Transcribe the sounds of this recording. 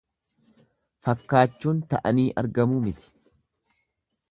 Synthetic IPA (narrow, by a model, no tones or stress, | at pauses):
fɐkːaːt͡ʃːuːnt̪ɐʔɐniːʔɐ̰ɾɡɐmuːmɪt̪ɪ̥